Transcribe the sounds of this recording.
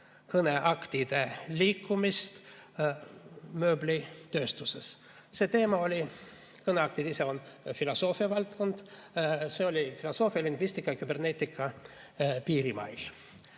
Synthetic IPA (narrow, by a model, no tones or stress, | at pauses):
kɤneʔɑkt̪id̪̥e̞lʲiːkːumist̪ | mø̞ːblit̪ø̞ːst̪uses | se̞ːt̪e̞ːmɑo̞lʲi | kɤneɑkt̪id̪ise̞onfilo̞so̞ːfiɑvɑlt̪ko̞nd̪̥se̞o̞lʲifilo̞so̞ːfiɑliŋɡvist̪ikːˑɑjɑkybe̞rne̞t̪ʲːˑikːˑɑ | piːɾimɑ̰jl